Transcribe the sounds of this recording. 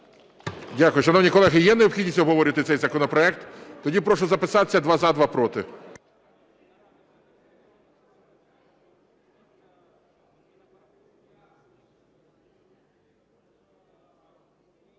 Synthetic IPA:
dʲakʊjʊʃɐnɔwnʲikɔlˠɛɦɪjɛneɔbpxʲidʲnʲisʲtʲɔbʱɦɔʋɔɾʲɪɐt̪ɪt̪sɛjzɐkɔnɔpɾɔɛk̚t̪t̪ɔdʲipɾɔʃʊzɐpɪsɑt̪e̥sʲːɐd̪ʋɑzɑd̪ʋɑpɾɔt̪ɪ̰

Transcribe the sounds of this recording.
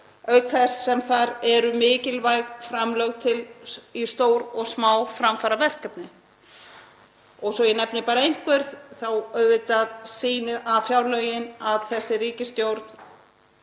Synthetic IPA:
œɥt̪θɛssɛmθaɾɛɾʏmɪːcɪlvajɣfɾamlœɣt̪ʰɪlist̪oːwɾɔɣsmaːwfɾamfaːɾavɛr̥kapnɪ | ɔɣsɔjɛnɛpnɪpaːɾaejŋ̥kvɛɾ̥θθawœɥvɪt̪aðsiːnɪʔafjawɾlœjɪnaðθɛsːɪriːcɪst̪jowɾt̪n̥

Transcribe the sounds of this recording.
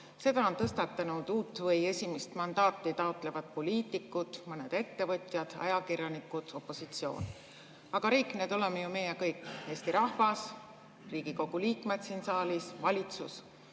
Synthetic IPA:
se̞d̪̥ɑo̞nt̪ɤst̪ɑt̪ːˑɑnud̪̥uːt̪ːˑvɤje̞sʲimist̪mɑnd̪ɑːt̪ːˑit̪ɑot̪ːˑle̞vɑd̪̥̚po̞lʲiːt̪ːˑikːˑut̪mɤned̪̥e̞t̪ːe̞vɤt̪ʲˑjɑd̪̥ɑ̰jɑkirjɑnikːˑut̪o̞pːo̞sit̪sio̞̰ːn | ɑɡ̥ɑɾiːkˑne̞ːd̪o̞lemːejume̞jekɤjkːˑe̞ːst̪iɾɑhvɑs | riːɡ̥iko̞ɡ̥uliːkˑme̞d̪siːnsɑːlisvɑlʲit̪sus

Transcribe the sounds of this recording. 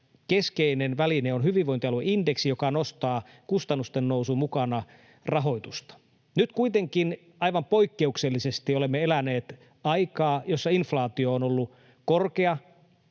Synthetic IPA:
keskeinenʋælineonhyʋiʋʋoint̪iɑlueindeksijo̞kɑnost̪ɑː | kust̪ɑnːust̪enːousumukɑnɑ | rɑɦo̞jt̪ust̪ɑ̥ | nyt̪kuit̪eŋkin | ɑjʋɑmpo̞ikːe̞ukselːisest̪iolemːeelæneːt̪ | ɑikɑːjosːɑinflɑːt̪ioːnolːu | korkeɑ

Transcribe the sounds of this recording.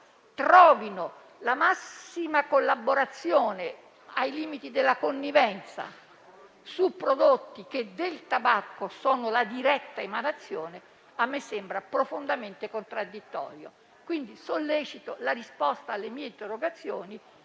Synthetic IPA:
t̪ɾɔːvino | lamasimakolːaboɾat̪sːjɔːne | ajliːmit̪id̪elːakonːivɛnt̪sa̰ | supːɾod̪ot̪ːik̟ed̪elt̪abakːosɔːnolad̪iɾɛt̪ːaemanat̪sːjɔːne | amːesɛmbɾapɾofond̪ament̪ekont̪ɾad̪ːit̪ːɔ̰ːɾjo̰ | kwind̪isolːɛːt͡ʃit̪olarispɔst̪aːlːemiːeint̪erːoɡat̪sːjoːni

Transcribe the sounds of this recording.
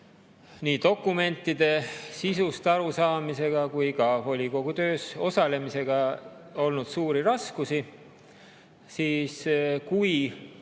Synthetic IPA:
niːt̪o̞kːˑume̞nt̪ˑːid̪̥e̞sisust̪ɑɾusɑːmise̞ɡ̥ɑkujkɑvo̞lʲiko̞ɡ̥ut̪ø̞ːso̞sɑle̞mise̞ɡ̥ɑo̞lnud̪̥suːɾiɾɑskusi | siːskuj

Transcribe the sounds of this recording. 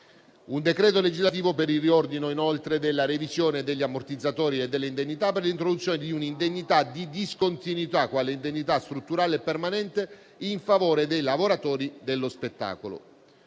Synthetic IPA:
und̪ekɾɛːt̪oled͡ʒizlat̪̬iːvopeɾilriord̪inoinolt̪ɾed̪elːaɾevizjoːned̪eʎːiamːort̪id̪zːat̪ɔːɾied̪ːelːeind̪eɲːit̪aperlint̪ɾod̪ut̪sːjoːned̪iunind̪eɲːit̪ad̪id̪iskont̪inwit̪akwaːleind̪eɲːit̪ast̪ɾut̪ːuɾaːleɛpːermanɛnt̪e | iɱfavoːɾed̪ejlavoɾat̪ɔːɾid̪elːospet̪ːa̰ːkolo̰

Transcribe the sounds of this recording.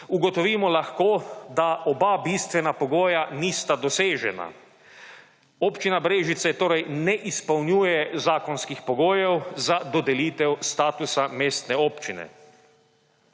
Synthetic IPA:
uɡɔt̪ɔʋiːmɔlaxkoːd̪aɔbabist̪ʋɛnapɔɡoːjaniːst̪ad̪ɔseːʒɛna̰ | oːpt͡ʃinabɾeːʒit̪sɛt̪oːɾɛjnɛʔispɐwnjuːjɛzaːkɔnskixpɔɡoːjɛwzad̪ɔd̪ɛliːt̪ɛwst̪aːt̪usameːst̪nɛoːpt͡ʃinɛ̰

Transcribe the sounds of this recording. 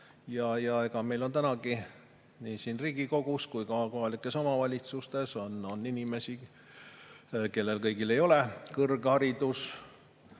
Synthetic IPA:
jɑjɑe̞ɡɑme̞jlo̞nt̪ænɑɡi | niːsiːnriːɡ̥iko̞ɡ̥uskujkɑko̞ɦɑlikːˑe̞so̞mɑvɑlʲit̪sust̪e̞so̞no̞nːinʲime̞si | ke̞lːe̞lkɤjɡile̞jo̞le̞kɤrɡ̥ehɑɾid̪̥us

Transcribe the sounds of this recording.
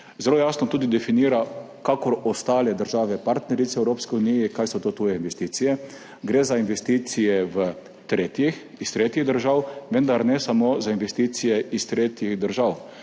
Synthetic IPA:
zɛloːjaːsnɔt̪uːd̪id̪ɛfiniːɾa | kakɔɾɔst̪aːlɛd̪əɾʒaːʋɛpaɾt̪nɛɾit̪sɛɛwɾoːpskiunijɛkajsɔt̪oːt̪ujɛinʋɛst̪iːt̪sijɛ | ɡɾeːzainʋɛst̪iːt̪sijɛʋə | t̪ɾeːt̪jix | ist̪ɾeːt̪jiɣd̪əɾʒawʋɛnd̪aɾnɛsamozainʋɛst̪it̪sijɛist̪ɾeːt̪jiɣd̪əɾʒaw

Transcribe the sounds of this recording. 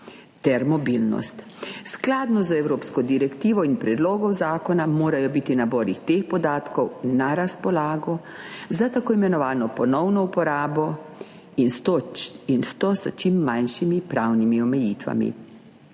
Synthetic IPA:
t̪ɛɾmɔbilnɔ̰st̪ | sklaːd̪nɔzɛwɾoːpskɔd̪iɾɛkt̪iːʋɔinpɾɛd̪loːɡɔwzaːkɔnamoːɾajɔbiːt̪inabɔːɾixt̪eːxpɔd̪aːt̪kɔwnaɾaspɔlaːɡɔ | zat̪akoːimɛnɔʋaːnɔpɔnɔwnɔupɔɾaːbɔ | inst̪oinst̪oːsə̰t͡ʃimːanʃimipɾaːwnimiɔmɛjiːt̪ʋa̰mḭ

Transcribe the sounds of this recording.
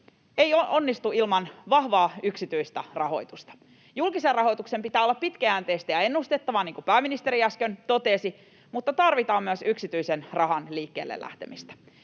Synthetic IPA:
eioʔonːist̪uilmɑnʋɑhʋɑːyksit̪yist̪ærɑɦo̞̰it̪ust̪ɑ̥ | julkiserrɑho̞jt̪uksempit̪æːolːɑppit̪kææːnt̪eːst̪æjɑenːust̪et̪ːɑʋɑːniːŋkupæːminist̪eɾiæskønt̪ot̪esi | mut̪ːɑt̪ɑrʋit̪ɑːmːyæsyksit̪yisenrɑɦɑnliːkːeːlːḛlːæ̰ht̪e̞̰mist̪æ̥

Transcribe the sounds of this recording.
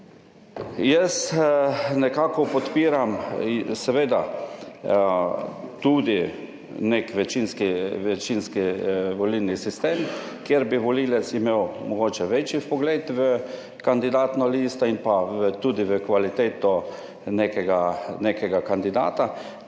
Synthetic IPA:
jɛs | nɛkaːkɔpɔt̪piːɾamsɛʋeːd̪a | t̪ud̪i | nekʋɛt͡ʃinskiʋɛt͡ʃinskiʋɔlilnisist̪eːm | kjeɾbiʋɔliːlɛt̪simeːwmɔɡoːt͡ʃɛʋet͡ʃifpɔɡleːt̪ʋə | kand̪id̪aːt̪nɔliːst̪ɔinpaʋət̪uːd̪iʋəkʋalit̪eːt̪ɔ | nekɛɡanekɛɡakand̪id̪a̰ːt̪a

